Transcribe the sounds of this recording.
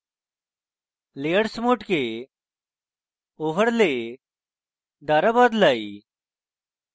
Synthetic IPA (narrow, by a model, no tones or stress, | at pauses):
leːəɽsmoːʈke | oːʋəɽleː | d̪aːɾabaːd̪laːiː